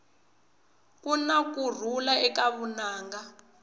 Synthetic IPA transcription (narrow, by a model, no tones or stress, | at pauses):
kunakur̤ulaɛkaβunaːŋɡa